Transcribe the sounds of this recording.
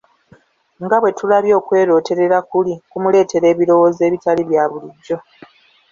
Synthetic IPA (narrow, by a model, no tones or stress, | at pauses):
ŋɡaβwe̞tulaβjo̞ːkwe̞ːɾo̞ːte̞ɾe̞ɾakulikumule̞ːte̞ɾe̞ːβiɾo̞woːze̞ːβitaliβjaːβuliɟːo̞